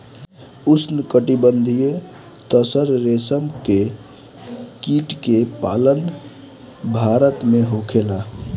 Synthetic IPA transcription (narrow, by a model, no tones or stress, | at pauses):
usnkəʈibənd̪ʱije | t̪əsəɾɾesəmke | kiʈkepalən | bʱaɾət̪meɦokʰela